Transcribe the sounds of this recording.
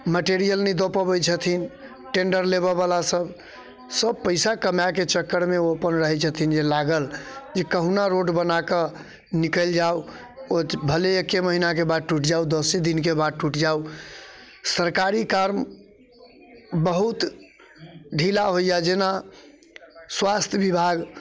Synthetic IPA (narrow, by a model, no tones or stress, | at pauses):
məʈeɾijəlnid̪opəbəjt͡ʃʰət̪ʰin | ʈeɳɖəɾleβəβalasəb | səb̚pəɪsakəmjaket͡ʃəkːəɽmeoəpənɾəɦɛt͡ʃʰət̪ʰind͡ʒelaɡəld͡ʒekəɦunaɾoɖbənakə | nikəld͡ʒau | obʱəleekːeməɦinakebad̪̚ʈuʈd͡ʒaud̪əsid̪inkebad̪̚ʈuʈd͡ʒau | səɾkaɾikaɾm | bəɦut̪ | ɖʱilaɦoijad͡ʒena | swast̪ʰjəbibʱaɡ